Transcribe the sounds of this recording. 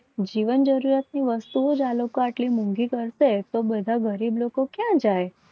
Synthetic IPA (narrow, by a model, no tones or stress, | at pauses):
d͡ʒiʋənd͡ʒəɾuɾjat̪̚niʋəst̪uod͡ʒalokoaʈlimũŋɡikəɾʃet̪obəd̪ʱaɡəɾiblokokjãd͡ʒaj